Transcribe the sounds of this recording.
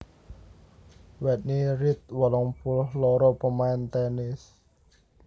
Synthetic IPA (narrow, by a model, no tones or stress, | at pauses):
wɛt̪̚niɾit̪̚wɔlɔŋpulhloɾopəmajnt̪ɛnis